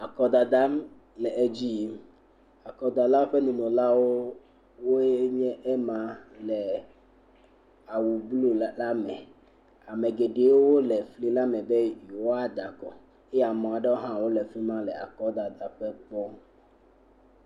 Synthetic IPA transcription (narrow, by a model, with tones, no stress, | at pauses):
a˨kɔ˨d̪a˨d̪a˦m | lɛ˨ʔe˦d͡ʑi˦˨ | a˨kɔ˦d̪a˨la˦ɸe˦nũ˨nũ˨la˦wo˦ | wo˦ɲɛ̃˦ʔe˦mã˦lɛ˨ | a˨wu˨blu˦la˦mɛ̃˨ | a˨mẽ˨ɡe˨ɖe˨˦wo˦wo˦lɛ˨fli˦la˦mɛ̃˨be˦ju˨wo˦a˦d̪a˨kɔ˨ | e˦ja˨mɔ̃˨a˨ɖe˦wo˦ɦã˦wo˦lɛ˨fli˦mã˦lɛ˨a̰˨kɔ˦d̪a˨d̪a˨ɸɛ˦k͡pɔ˦